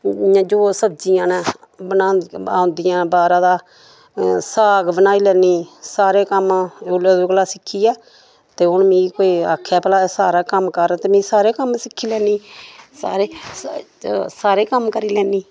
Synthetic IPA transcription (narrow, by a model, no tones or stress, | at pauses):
ãːd͡ʒoːsəbd͡ʒijãːnɛ̃ːbənaːaːoʊ̃nd̪ɪjãːbaːɾãːd̪aː | saːɡbənaːiːlɛːniːsaːɾeːkəmːʊleːd̪oːklaːsɪkʰːiːɛː | t̪eːɦʊnmĩːkoːiːa̰ːkʰːɛːplaːsaːɾaːkəmkəɾt̪eːmĩːsaːɾeːkəmsɪkʰːiːlɛːniːsa̰ːɾeː | saːɾeːkəmkəɾiːlɛːniː